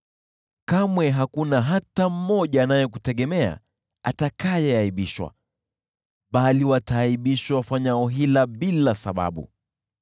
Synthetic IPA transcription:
kamwɛɦakunaɦatam̩ːɔʄaːnajɛk̬utɛɠɛmɛa̰ | a̰takajɛaiɓiʃwa̰ | ɓaliwataːiɓiʃwawfaɲaɔɦilaɓilasaɓa̰ɓṵ

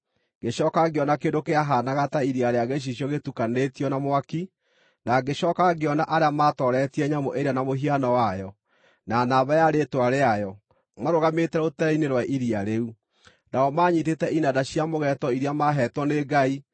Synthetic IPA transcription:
ɡ̥eɕɔkaɡeɔnakendokeaɦanaɣataiɾiaɾeaɣeɕ̬iɕ̬jɔɣetukanetiɔnamwaki | naɡeɕɔːkaɡeɔnaʔaɾeamatɔɾɛtiɛɲamoʔeɾianamoɦianɔwajɔ | nanaβajaɾeːtwaɾeajɔ | maɾoɣametɛotɛɾɛineɾwaʔiɾiaɾeu | naɔmaɲitetɛʔinadaɕiamoɣɛtɔiɾiamaɦɛtwɔneɡai

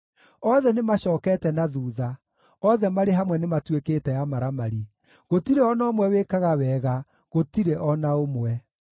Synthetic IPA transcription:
ɔðɛnemaɕɔːkɛːtɛnaðuːða | ɔðɛmaɾeɦamwɛnematwekeːtɛjamaɾamaɾi | ɣotiɾeɔnaomwɛwekaɣawɛːɣa | ɣotiɾeʔɔnaomwɛ

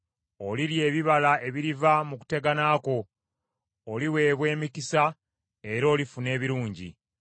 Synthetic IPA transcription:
o̞liɾje̞ːβiβalaʔe̞βiɾivamuku̥te̞ɡanaːko̞ː | liwe̞ːβwe̞ːmikisa | e̞ɾo̞ːlifune̞ːβiɾuːɲɟḭ

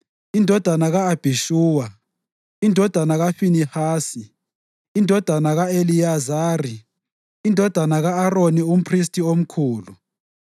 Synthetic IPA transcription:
indʱɔd̥ʱanaɣaab̥ʱiʃuːwa | indʱɔd̥ʱanaɣafinihaːsi | indʱɔd̥ʱanaɣaelijazaːri | indʱɔd̥ʱanaɣaːronium̩pʰris̬tʰʼiom̩kʰuːlu

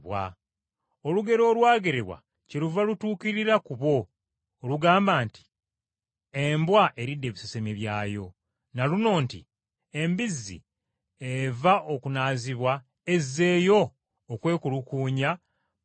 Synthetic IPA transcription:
wa̰ | oluɡe̞ɾo̞ːlwaːɡe̞ɾeβwa̰ | celuvalutuːkiɾiɾakuβo̞ː | luɡaːmbaːnti̥ | embwaʔe̞ɾidːe̞ːβisosemeβjaːjo̞̰ | naluno̞ːnti | e̞mbizːḭ | evaʔokunaːziβwa | e̞zːe̞ːjo̞ː | kwe̞ːkulukuːɲa

